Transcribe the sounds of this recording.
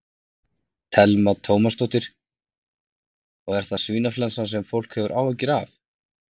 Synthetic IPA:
t̪ʰɛlmat̪ʰoːwmast̪owht̪ɪɾ̥ | ɔɣɛɾ̥θasviːnaflansansɛmfowl̥khɛvʏɾʔaːwɛcːɪɾaf

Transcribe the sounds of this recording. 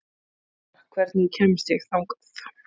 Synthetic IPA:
kʰvɛɾt̪nicʰɛmɪst̪ɪxθawŋkḁθ

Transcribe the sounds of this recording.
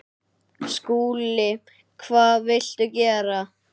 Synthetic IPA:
skuːlɪ | kʰvaːðvɪl̥t̪ʏcɛːɾa

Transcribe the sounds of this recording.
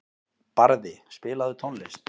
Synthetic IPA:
paɾðɪspɪːlaðʏt̪ʰownles

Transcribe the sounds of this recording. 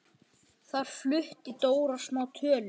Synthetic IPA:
θaɾ̥flʏht̪it̪oːwɾḁsmaːwt̪ʰœːlʏ

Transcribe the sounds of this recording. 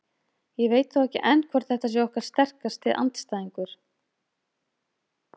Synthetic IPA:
jɛɣveːjt̪θawɛhcɪ̰ʔɛnːkʰvaɾ̥θɛht̪as̬jɛɔhkaɾ̥st̪ɛr̥kast̪ːɪðʔa̰nt̪st̪aːðiŋkʏɾ̥

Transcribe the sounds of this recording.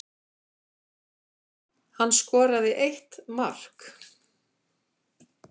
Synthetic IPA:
hanːskɔːɾaðɪʔejht̪mar̥k

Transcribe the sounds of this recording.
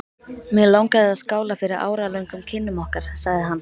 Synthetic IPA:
mjɛlawŋkaðɪaðskaːwlafɪɾɪɾʔa̰ːwɾalœjŋkʏmcʰɪnːʏmɔhkaɾ̥saɣðɪɦanː

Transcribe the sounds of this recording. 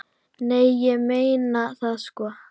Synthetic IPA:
nejjɛmejnaθaskɔ

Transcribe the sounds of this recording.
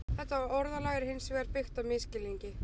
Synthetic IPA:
θɛht̪ːaɔɾðalaɣɪɾhɪnsvɛːɾpʏxt̪avmɪscɪlːiɲcɪ

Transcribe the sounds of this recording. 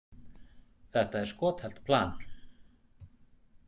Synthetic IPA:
θɛht̪aɛɾ̥skɔːt̪hɛl̥t̪pʰlaːn

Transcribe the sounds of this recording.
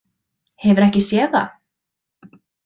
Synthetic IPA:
hɛvʏɾɛhcɪsjɛːða̰

